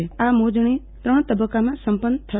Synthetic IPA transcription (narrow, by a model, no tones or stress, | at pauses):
eamod͡ʒɳ̃it̪ɾəɳ̃t̪əbəkːamãsəmpənːt̪ʰə